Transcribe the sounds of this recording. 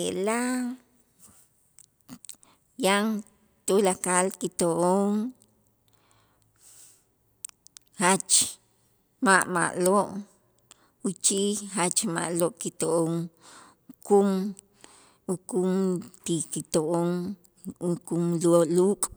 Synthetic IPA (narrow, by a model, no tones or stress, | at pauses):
ela | jaŋ | t̪ulakalkit̪oʔoŋ | hat͡ʃ | maʔma̰ʔloʔ | ut͡ʃixat͡ʃma̰ʔloʔkit̪oʔoŋ | kum | ukumt̪ikit̪oʔoŋ | ukumloluːkʼ